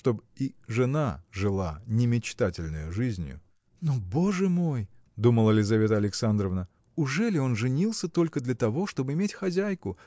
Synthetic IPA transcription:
ʂt̪o̞biʐɨnaʐɨlˠanʲɪmʲɪt͡ɕt̪atʲɪlʲnɨjʊʐɨzʲnʲjʊ̰ | nobo̞ʐɨmo̞j | d̪uməlˠəlʲɪzɐvʲet̪əɐlʲɪksand̪ɾəvnə | ʊʐɛlʲɪo̞nʐɨnʲilˠsʲət̪o̞lʲkəd̪lʲɐt̪ɐvo̞ʂt̪o̞bɨɪmʲetʲxɐzʲæjkʊ

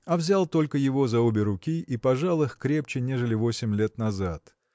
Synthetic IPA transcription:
ɐvzʲalˠt̪o̞lʲkəjɪvo̞zɐobʲɪɾʊkʲiʔipɐʐalˠɨxkɾʲe̞p̚t͡ɕɪnʲe̞ʐɨlʲɪvo̞sʲɪmʲlʲe̞t̪nɐzat̪

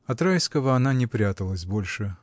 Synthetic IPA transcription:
ɐt̪ɾajskəvəɐnanʲɪpɾʲat̪əlˠəsʲbo̞lʲʂɨ

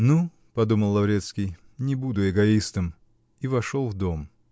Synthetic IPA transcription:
nu | pɐd̪uməlˠlːˠɐvɾʲet̪skʲɪj | nʲɪbud̪ʊɪɡɐist̪əm | ivɐʂolˠvd̪o̞m

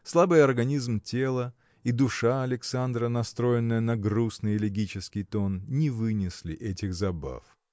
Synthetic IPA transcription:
slˠabɨjɐrɡɐnʲizmtʲelˠə | id̪ʊʂaɐlʲɪksand̪ɾənɐst̪ɾo̞jɪnːəjənɐɡrusnɨjɪlʲɪɡʲit͡ɕɪskʲɪjt̪o̞nnʲɪvɨnʲɪslʲɪʔɛtʲɪxzɐba̰f

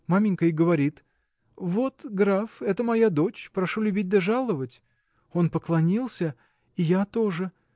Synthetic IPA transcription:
mamʲɪnʲkəjɡəvɐɾʲit̪ | vo̞t̪ɡɾafɛt̪əmɐjad̪o̞t͡ɕpɾɐʂulʲʉbʲit̚ʲd̪ɐʐalˠəvətʲ | o̞npəklˠɐnʲilˠsʲə | ijat̪o̞ʐɨ

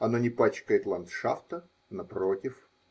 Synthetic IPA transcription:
ɐnonʲɪpat͡ɕkəjɪt̪lˠɐnt̪ʂaft̪ə | nɐpɾotʲɪf

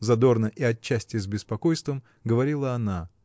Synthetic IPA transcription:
zɐd̪o̞rnəʔiɐt͡ɕːæsʲtʲɪzbʲɪspɐko̞jst̪vəm | ɡəvɐɾʲilˠəɐna

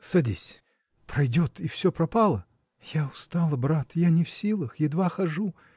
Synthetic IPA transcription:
sɐdʲisʲ | pɾɐjdʲot̪ʰifsʲopɾɐpalˠə | jaʊst̪alˠəbɾat̪janʲɪfsʲilˠəxjɪd̪vaxɐʐu

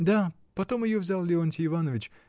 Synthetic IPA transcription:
d̪a | pɐt̪o̞mɪjovzʲalˠlʲɪont̪ʲɪːvanəvʲɪt͡ɕ

